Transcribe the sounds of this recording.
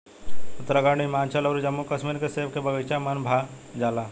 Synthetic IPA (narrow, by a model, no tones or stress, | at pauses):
ʊt̪ɾəɡaːɽ̃imaːnt͡ʃʰəlɔːɾd͡ʒɐmːukɐsmiɾkeseːb̚kebɐɡəjt͡ʃamɐnbʱad͡ʒaːlaː